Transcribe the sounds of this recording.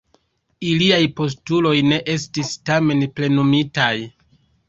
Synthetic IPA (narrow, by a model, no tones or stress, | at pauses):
iliajpo̞s̬tulo̞jne̞ʔe̞s̬tistame̞nple̞numitaj